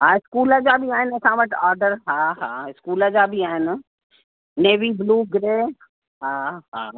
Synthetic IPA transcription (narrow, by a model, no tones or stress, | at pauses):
ɦãːɪskuːlad͡ʒaːbʱiaːɪnesãʋɐʈʰaːɾɖəɾɦãːɦãːɪskuːlad͡ʒabʱiaːɦɪn | neːʋiːbluːɡɾeː | ɦãːɦã̰ː